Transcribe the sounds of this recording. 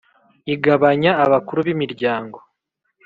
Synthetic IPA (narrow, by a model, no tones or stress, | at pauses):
iɡaβaɲaːβakuɾuβimiɾɟaːŋɡo̞